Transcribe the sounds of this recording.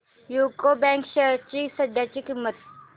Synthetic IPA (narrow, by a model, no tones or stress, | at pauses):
jukobɛŋkɕət͡ɕiːsəd̪ʱjat͡ɕiːkimːət̪̚